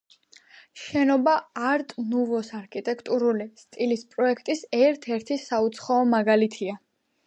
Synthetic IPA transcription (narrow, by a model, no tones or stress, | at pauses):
ʃɛnɔbaːɾt̪ʼnuvɔsaɾkʰit̪ʼɛkʰt̪ʼuɾulist̪ʼilispʼɾɔɛkʰt̪ʼisɛɾt̪ʰɛɾt̪ʰisaut̪sʰχaɔmaɡalit̪ʰia